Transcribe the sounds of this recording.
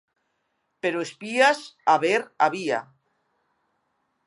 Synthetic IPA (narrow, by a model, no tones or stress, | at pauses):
peɾoespiasaβeɾaβ̞ia̰